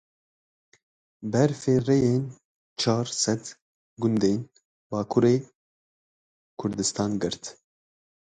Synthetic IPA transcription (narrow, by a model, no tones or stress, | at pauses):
bɛɾfeːrejeːn | t͡ʃʰɑːɾsɛd̪ | ɡʊnd̪eːn | bɑːkʰuɾeː | kʰʊɾd̪ɨst̪ɑːnɡɨɾt̪